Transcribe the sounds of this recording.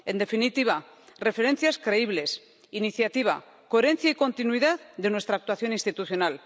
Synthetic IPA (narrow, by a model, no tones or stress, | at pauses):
e̞nd̪e̞finit̪iβa | re̞fe̞ɾe̞nθjaskɾe̞iβle̞s | iniθjat̪iβ̞a̰ | ko̞eɾe̞n̟θjaiko̞nt̪inwiðaððe̞nwest̪ɾak̚t̪waθjo̞nĩnst̪it̪uθjo̞nal